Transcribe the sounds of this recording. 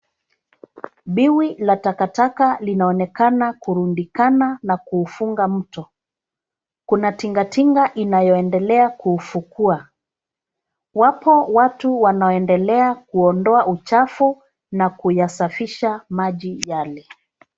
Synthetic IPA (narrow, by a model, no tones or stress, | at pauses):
ɓiwilatakatakalinaɔnɛkanakuɾundikananakuːfuŋɡam̩tɔ | kunatiŋɡatiŋɡaʔinajɔɛndɛlɛakuːfukua | wapɔwatuwanaɔɛndɛlɛakuɔndɔaʔut͡ʃafu | nakujasafiʃamaʄijalɛ